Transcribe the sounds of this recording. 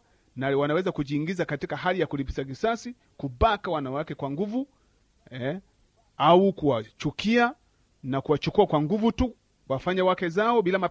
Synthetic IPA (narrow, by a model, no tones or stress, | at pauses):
nawanawɛzakuʄiːŋɡizakatikaɦalijakulipi̥savisasi | kubakawanawakɛkwaŋɡuvu | aukuwat͡ʃukia | nakuwat͡ʃukuakwaŋɡuvutu | wafaɲawakɛzaɔɓilama